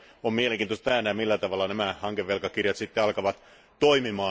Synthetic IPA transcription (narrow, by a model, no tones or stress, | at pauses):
omieleŋkˑiːnt̪ost̪æːnæmilːæt̪ɑʋɑlːɑnæmæhɑŋkeʋːelkɑkirjɑt̪sit̪ːeɑlkɑʋɑt̪ | t̪oimimɑː